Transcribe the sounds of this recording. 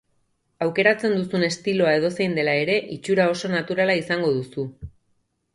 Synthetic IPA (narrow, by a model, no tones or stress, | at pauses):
awke̞ɾat͡se̞nd̪usune̞st̪ilo̞ae̞ð̞o̞sejnd̪e̞lae̞ɾe̞ʔit͡ʃuɾao̞so̞nat̪uɾalaisaŋɡo̞ðusu